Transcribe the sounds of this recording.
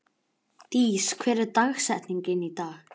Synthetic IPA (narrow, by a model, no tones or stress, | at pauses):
t̪iːskʰvɛːɾɛɾt̪axsɛt̪niŋcɪnit̪aː